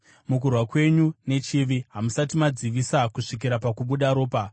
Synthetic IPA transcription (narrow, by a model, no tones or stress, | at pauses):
muk̬urwakwe̞ɲune̞t͡ʃiʋiɦamusatimad͡ziʋisakuʂik̬iɾapakuɓuɗaɾo̞ːpa